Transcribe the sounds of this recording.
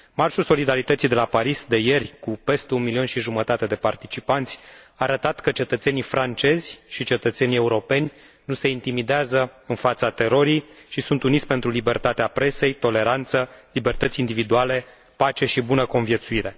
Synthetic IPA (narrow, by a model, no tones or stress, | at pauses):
marʃulso̞lid̪aɾit̪ət̪sijd̪e̞lapaɾisd̪e̞je̞rʲkupe̞st̪eunmilio̞nʃiʒumət̪at̪e̞d̪e̞part̪it͡ʃipant̪sʲaːɾət̪at̪kət͡ʃe̞t̪ət̪se̞nifɾant͡ʃe̞zʲʃit͡ʃe̞t̪ət̪se̞nie̞uɾo̞pe̞nʲ | nuse̞int̪imid̪eazəɨnfat̪sat̪e̞ɾo̞ɾijʃisunt̪unit̪sʲpe̞nt̪ɾulibe̞rt̪at̪eapɾe̞se̞jt̪o̞le̞ɾant̪səlibe̞rt̪ət̪sʲind̪ivid̪uale̞ | pat͡ʃe̞ʃibunəko̞nvje̞t̪suiɾe̞